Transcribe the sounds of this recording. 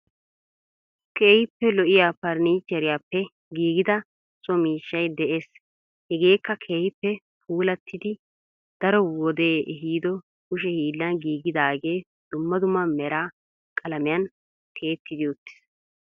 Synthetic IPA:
kʰeːhɪpːɛlɔʔɪjaːpɐɾniːt͡ʃːɛɾɪjaːpːɛ | ɡiːɡɪd̪ɐ | t͡sʼɔmiːʃːɐjd̪ɛʔe̞ːs | hɛɡe̞ːkːɐkʰeːjɪpːɛ | pʰuːlɐt̪ːɪd̪ɪ | d̪̥ɐɾɔwɔd̪e̞ːɦiːd̪ɔ | kʊʃɛhiːlːɐnɡiːɡɪd̪aːɡe̞ː | d̪̥ʊmːɐd̪ʊmːɐmɛɾaː | kʼɐlɐmɪjɐn | kʰe̞ːt̪ːɪd̪ɪɔt̪ːɪ̥s

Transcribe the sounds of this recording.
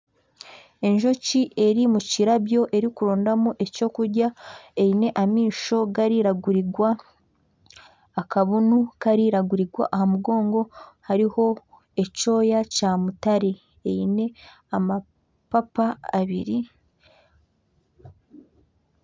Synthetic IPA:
e̞ɲʒo̞ciʔe̞ɾimuciɾaβjo̞ʔe̞ɾikuɾoːndamuʔe̞co̞ːkuɾɟaeine̞ʔamiːʃo̞ɡaɾiɾaɡuɾiɡwa | kaβunukaɾiɾaɡuɾiɡwa̰ʔahamuɡo̞ːŋɡo̞haɾiho̞ | e̞co̞ːjacaːmutaɾe | eine̞ | ama | papa̰ːβiɾi

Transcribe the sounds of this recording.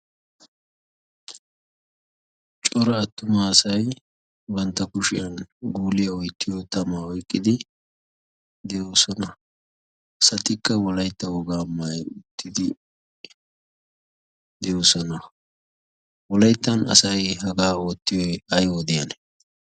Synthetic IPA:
t͡ʃʼɔɾɐːt̪ːʊmaːsɐj | bɐnt̪ːɐkʊʃɪjɐnɡuːlɪjɐɔjt̪ːɪjot̪ɐmaːɔjkʼːɪd̪ɪ | d̪ɛjoːsɔnɐ | ɐsɐt̪ɪkːɐwɔlɐjt̪ːɐwɔɡaːmɐjʊt̪ʰːɪd̪ɪ | d̪ɛjosɔnɐ | wɔlɐjt̪ːɐnɐ̰sɐjɦɐɡaːoːt̪ːɪjɔjɐjod̪ɪjɐnɛ

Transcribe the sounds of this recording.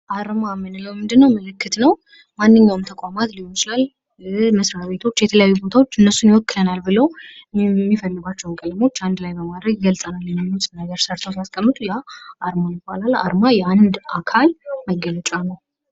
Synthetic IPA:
ʔaɾmamɨnɨləwmɨnd̪ɨnːəwməlɨkːɨt̪nəw | manːɨɲːawɨmt̪ʰəkʷʼamat̪liwət͡ʃlal | məsɾaβe̞t̪ʰo̞t͡ʃːjɛt̪ʰələjajːubo̞t̪ʰawo̞t͡ʃːɨnːəsunjɪwɔkːɨlənalbɨləw | mːifəlːɨɡʷat͡ʃːɛwnkʼələmo̞t͡ʃːand̪lajbəmad̪ɾəɡɡəlsʼənalːɨnːəmusʼɨnəɡəɾsəɾt̪ʰəwsast̪ʰʼəmːɨt̪ʼujaʔaɾmajɪbalala̰ɾmajɛand̪akʰalməɡələt͡ʃʼanəw

